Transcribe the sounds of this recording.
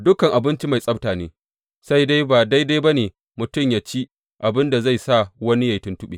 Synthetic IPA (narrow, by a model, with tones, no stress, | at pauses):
dʊ˦kɐ˨ŋʔa˨bɪ˦nt͡ʃi˦ma˨jsʼɐ˦btaː˨neː˨˦ | sa˦jda˦jba˨da˦jda˦ba˦neː˨ | mʊ˨tʊ˦˨mja˨t͡ʃi˦ | ʔa˨bɪ˦nda˨za˦˨jsa˦˨wɐ˦ni˦ja˨jtʊ˦ntʊ˦ɓḛː˨